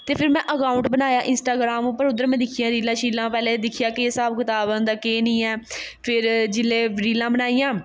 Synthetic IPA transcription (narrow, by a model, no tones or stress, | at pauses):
t̪eːpʰɪɾmɛ̃ːʔəkaːʊɳʈbənaːjaːʔɪnsʈaːɡɾaːmũːpəɾʊd̪əɾmɛ̃ːd̪ɪkʰijãːɾiːlãːʃiːlãːpɛːlẽːd̪ɪkʰijaːkɪeːsaːbkɪt̪aːbənd̪aːkeːnĩːɛː | pʰɪɾd͡ʒɪleːʋɾiːlãːbənaːijãː